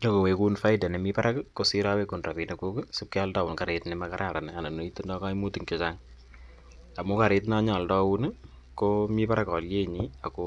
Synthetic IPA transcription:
ɲo˦ko˨we˨ku˦nfa˦jda˨nɛ˨mi˦pa˦ɾa˦kkːo˦si˦ɾawe˦ku˨nra˨pi˨ne˨ku˦kɪ˦sʊ˨p̚kɛ˦ɔ˦lda˦wu˨nka˨ɾetnɛ˨maka˦ɾʔa˨ɾa˨nɛ˨a˨na˨no˨˦i˦to˦ndɔ˦ka˦mu˦ti˦ŋkɪ˨t͡ʃaŋ | a˨mʊ˦ka˨ɾe˦t̬na˦ɲɔ˨ldɔ˦wu˦n | komi˦pa˦ɾakɔ˨lje˦ɲia˨ko˦

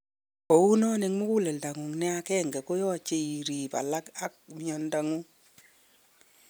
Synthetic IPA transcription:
kɔ˨u˦nɔ˦nɪ˨ŋmʊ˦ku˦lɛ˨lda˨ŋu˨ŋnɪ˦a˧kɛ˦˨ŋɡɛ˨ko˦jɔ˦˨t͡ʃe˦i˨ɾi˨pa̰˨la˦ka˦k̚mjɔ˨nda˨ŋu˦

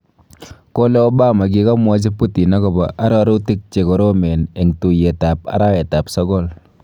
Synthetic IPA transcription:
ko˦lɛ˦o˦baː˦ma˨k̬i˦kɔ˦mwa˦t͡ʃ̬e˦pːu˦ti˨na˦ko˨ba˨ʔa˦ɾɔ˦ɾu˦ti˦k̚t͡ʃe˨kɔ˨ɾo˦me˨ne˨ŋtu˨je˨ta˨p̚a̰˦ɾa˦e˨ta˨psɔ˦kɔ˦l

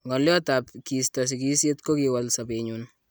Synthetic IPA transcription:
ŋɔ˨ljɔ˦tapki˨stas̬iki˦sje˦tko˦kiwalsa˨peɲun

